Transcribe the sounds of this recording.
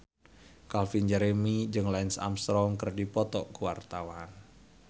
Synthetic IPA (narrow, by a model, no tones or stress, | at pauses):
kalfind͡ʒɛɾemid͡ʒɨŋlaɪnsa̰mst̪ɾɔŋkərdipɔt̪ɔʔkəwart̪awan